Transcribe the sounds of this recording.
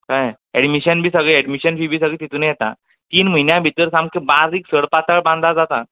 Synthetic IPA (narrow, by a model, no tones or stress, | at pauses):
kaj | ɛɽmiɕənbʱiːsəɡɭiɛɽmiɕənbʱiːbʱiːsəɡɭiːt̪it̪unəjet̪ã̰ | t̪iːnm̤əjnjãbʱit̪əɾsãmkẽbaɾɾiːksəɽpat̪əɭbãnd̪ad͡zat̪a